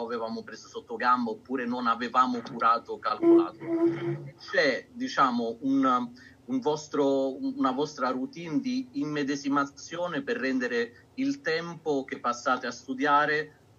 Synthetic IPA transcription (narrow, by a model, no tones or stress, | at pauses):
avevaːmʊpɾeːzosot̪ːoɡambaopːuːɾenonavevaːmʊkuɾaːt̪okalkolaːt̪o | t͡ʃːɛd̪it͡ʃaːmʊun | uɱvɔst̪ɾounavɔst̪ɾarut̪iːnd̪iːmːed̪ezimat̪sːjoːnɪperːɛnd̪eɾɪ | ilt̪ɛmpok̟epːasːaːt̪ɪast̪ud̪jaːɾe